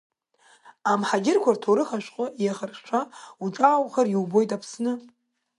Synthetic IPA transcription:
amħaɡʲɪrkʷʰartʰoɾɨχaʃʷᶣqʷʼʊjaχarʂʷʰauʈ͡ʂʼaːwχariwbo̞jtʼapʰsnɨ

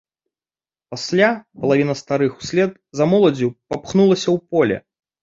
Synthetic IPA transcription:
pasʲlʲapɐlˠavʲinɐst̪aɾɨxu̥sʲlʲɛd̪ | zamɔlˠɐd͡zʲupapxnulˠɐsʲɐwpɔlʲɛ̰

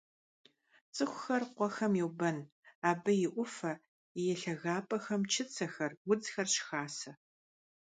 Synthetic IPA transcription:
t͡sʼɨxʷʊxɐrqʷɔxɐmjiwbɐn | aːbɐjɪʔʷʊfɐ | jɛɬɐɣaːpʼɐxɐmt͡ʃʰɪt͡sʰɐxɐrwʊd͡zxɐrɕxaːsɐ

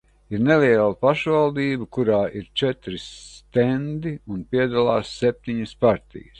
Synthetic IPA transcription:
iɾneliɛlˠapaʃvalˠd̪iːbukuɾaːʔiɾt͡ʃɛt̪ɾist̪end̪iunpiɛd̪alˠaːsːep̚ʲt̪iɲəspaɾt̪ḭjəs

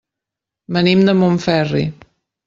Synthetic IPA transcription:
bənimd̪əmoɱfɛrḭ

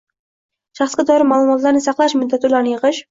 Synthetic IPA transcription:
ʃɑχsɡʲad̪ɒɾɪmaːlˠʊmɒt̪laɾnɪsɑqlˠaʃmʊd̪ːat̪ʰulˠaɾnɪjɨʁɨʃ

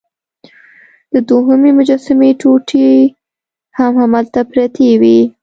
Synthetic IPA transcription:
d̪̥əd̪oɦəmemʊd͡ʒɑsɪmeʈoʈʰi | hamhamalt̪apɾat̪ʰewi

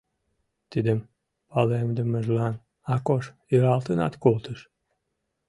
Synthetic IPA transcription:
t̪id̪əm | pɑlemd̪əməʒlɑn | ɑkoʃjøɾɑlt̪ənɑ̰t̪kolt̪əʃ

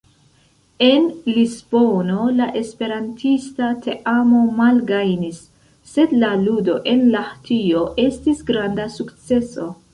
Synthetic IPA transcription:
e̞nlizbono̞laʔe̞spe̞ɾantʰistatʰe̞ʔamo̞malɡajnisː | e̞d̪laludo̞ʔe̞nlahtʰio̞ʔe̞stisɡɾandasukt͡se̞so̞

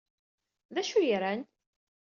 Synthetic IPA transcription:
ðæʃujɾæn

